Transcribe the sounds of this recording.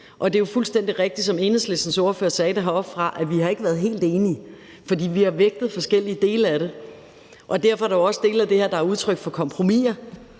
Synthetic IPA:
ʔɒ̽d̥e̝jofulsd̥en̰d̥iʁeɡ̥̚d̥id̥sɒ̽me̝ːnðslesn̩so̝ːɐføːɐsɛːd̥æɦɑ̈ɒ̽b̥fʁɑ̈ʔæʋiɦɑ̈e̝ɡ̥əʋæɐðˠɦe̝̰ːld̥e̝ːni | fɒ̽d̥ḭːʋihɑ̈ʋeɡ̥̚d̥ð̞̩ˠfɒ̽sɡ̥el̰iəd̥e̝ːləæɾe̝ | ʔɒ̽d̥æɐ̰fɒæɾɑɒ̽sd̥e̝̰ːlæd̥e̝heɐd̥ɑ̈æɐuð̞ˠt͡sʰʁœɡ̥fɒ̽kʰɒ̽mpʰʁo̝mḭːɐ

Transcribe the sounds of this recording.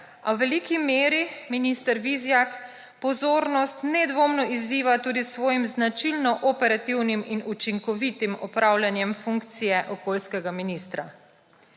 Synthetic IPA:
awʋɛlikimeːɾiminist̪ɛɾʋizjak | pɔzoːɾnɔst̪nɛd̪ʋoːmnɔizːiːʋat̪uːd̪isʋɔːjimznat͡ʃilnɔʔɔpɛɾat̪iwniminut͡ʃiŋkɔʋit̪imɔpɾʔawljanjɛmfuŋkt̪sijɛʔɔkoːlskɛɡaminist̪ɾa̰

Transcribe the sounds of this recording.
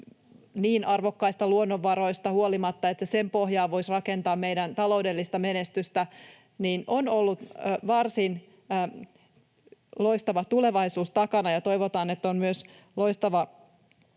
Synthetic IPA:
niːnʔɑrʋokːɑist̪ɑluonːoʋːɑɾo̞ist̪ɑhuolimɑt̪ːɑet̪ːæsempoɦjɑːʋo̞isrɑke̞nt̪ɑːmmeijdænt̪ɑloudelːist̪ɑmenest̪yst̪æ | niːnʔonolːut̪ʋɑrsin | loist̪ɑʋɑt̪ule̞ʋɑisuːst̪ɑkɑnɑjɑt̪o̞iʋot̪ɑːnet̪ːommyøs | loist̪ɑʋɑ

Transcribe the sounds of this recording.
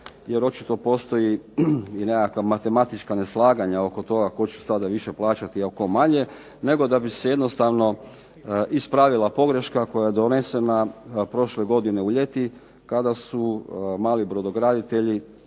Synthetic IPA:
jeɾo̞t͡ʃi̥t̪o̞po̞ːst̪o̞jiine̞kakʋamat̪e̞mat̪it͡ʃkane̞slˠaːɡaɲao̞ko̞t̪o̞ɡako̞t͡ɕu̥sad̪aʋiʃeplˠaːt͡ʃat̪iako̞maɲe̞ | ne̞ɡo̞d̪abise̞jed̪no̞st̪aʋno̞ | ʔispɾaʋilˠapo̞ɡɾe̞ʃkako̞jajed̪o̞ne̞se̞napɾo̞ʃleɡo̞d̪ine̞uʎe̞t̪i | kad̪asumaːlibɾod̪o̞ɡɾad̪it̪e̞ʎi

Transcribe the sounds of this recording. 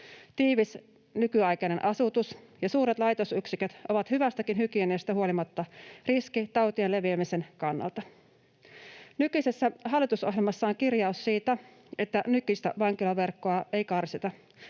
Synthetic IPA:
t̪iːʋis | nykyɑjkɑnenʔɑsut̪usjɑsuːɾet̪lɑjt̪osyksikøt̪ʔoʋɑt̪hyʋæst̪ækinhykiæneːst̪æhuolimɑt̪ːɑriskit̪ɑwt̪iele̞ʋiæmisenkɑnːɑ̰lt̪ɑ | nykysesːæɦɑlːˑit̪usoɦjelmɑsːɑoŋkirjɑusːiːt̪æ | e̞t̪ːænykyst̪æ̰ʋɑŋkilɑʋe̞rkːoɑe̞jkɑrsit̪ɑ

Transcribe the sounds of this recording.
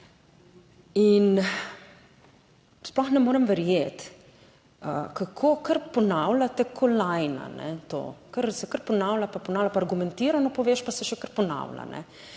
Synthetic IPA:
in | splɔxnɛmoːɾɛmʋɛɾjeːt̪ | əkakʰoːkəɾpɔnawlat̪ɛkʰɔlajna̰nɛ̰t̪o̰ːkəɾsɛkəɾpɔnawlapapɔnaːwlʲapaːɾɡumɛnt̪iːɾanɔpɔʋeːʃpasɛʃɛkəɾpɔna̰wla̰nɛ̰

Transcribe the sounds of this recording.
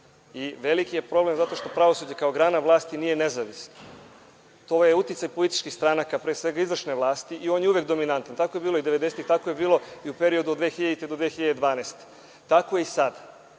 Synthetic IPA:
iʋe̞likije̞pɾo̞ble̞mzat̪o̞ʃt̪o̞pɾaʋo̞suːd͡ʑekaoɡɾaːnaʋlˠaːst̪iniːje̞nezaʋisn | t̪ojeut̪it̪sajpo̞lit̪i̥t͡ʃkixst̪ɾanakapɾeːsʋe̞ɡaizvr̩ʃneʋlˠaːst̪iʔio̞ːnjeuʋekd̪o̞minant̪ant̪akoje̞biːlo̞id̪eʋed̪eset̪it̪akoje̞biːlˠo̞iupe̞ɾio̞d̪uod̪d̪ʋeːxiʎad̪it̪ed̪od̪ʋeːxiʎad̪ed̪ʋaːneːst̪e̥ | t̪ako̞jeisad̪a

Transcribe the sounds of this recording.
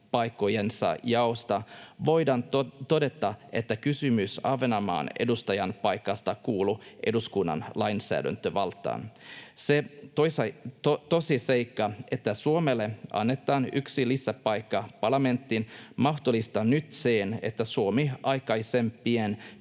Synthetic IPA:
pɑjkːo̞jensɑ̰jɑost̪ɑʋo̞jdɑnt̪o̞de̞t̪ːɑe̞t̪ːækysymysɑʋenɑmɑ̰ːne̞̰dust̪ɑjɑnpɑjkːɑst̪ɑkuːluʔe̞duskunːɑ̰nlɑjnsæ̰ːdæ̰nt̪øʋɑlt̪ːˑɑ̰ːnseosɑt̪osise̞jkːɑe̞t̪ːæsuomelːe̞ɑ̰nːe̞t̪ːˑɑːnyksilisːæpɑjkːɑpɑrlɑme̞nt̪ːinmɑxt̪olist̪ɑnyt̪seːnḛt̪ːæsuomiɑjkɑjse̞mpien

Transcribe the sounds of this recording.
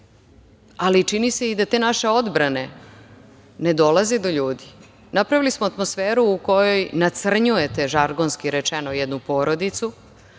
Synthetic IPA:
alit͡ʃinise̞id̪at̪eːnaʃeo̞d̪bɾane̞ | ne̞d̪o̞lˠaze̞d̪o̞ʎuːd̪i̥ | napɾaʋilismoat̪mosfeːɾuːko̞jo̞jnat̪sr̩ɲuje̞t̪e̞ʒaɾɡonskiɾet͡ʃenojɛd̪nupo̞ːɾo̞d̪it̪su

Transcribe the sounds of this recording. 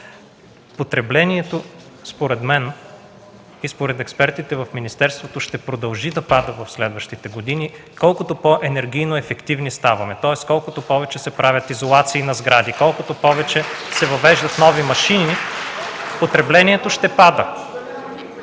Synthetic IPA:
pot̪ɾɛblɛniɛt̪o | spoɾɛd̪mɛn | ispoɾɛt̪ɛkspɛɾt̪it̪ɛvɐfminist̪ɛɾst̪vot̪oʃt̪ɛpɾod̪ɐlˠʒid̪ɐpad̪əvɐfslɛd̪vɐʃt̪it̪ɛɡod̪ini | kɔlˠkʊt̪opoʔɛnɛɾɡʲijnoɛfɛkt̪ivnist̪avɐmɛt̪ɔɛskɔlˠkʊt̪opɔvɛt͡ʃɛsɛpɾavʲɐt̪izolˠat̪siːnɐzɡɾad̪ikɔlˠkot̪opɔvɛt͡ʃɛsɛvɐvɛʒd̪ɐt̪nɔvimɐʃini | pot̪ɾɛblɛnʲiɛt̪oʃt̪ɛpad̪ə

